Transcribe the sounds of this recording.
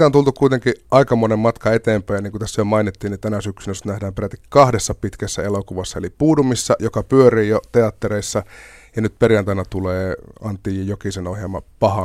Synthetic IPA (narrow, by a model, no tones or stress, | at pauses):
t̪ont̪ult̪ukkuit̪eŋkiʔɑikɑmonemmɑt̪kɑet̪eːmpæjniːŋkut̪æsːæjomɑinit̪ːiːnnit̪ænæsyksynøsːnæhdæːmperæt̪ːikkɑhdesːɑpit̪kæsːæelokuʋɑsːɑelipuːdumisːɑ̰jokɑpyøriːjot̪eɑt̪ːereisːɑ | jɑnyt̪̚perjɑnt̪ɑinɑt̪uleːɑnt̪ːˑiːjokisenohjelmɑpɑhɑ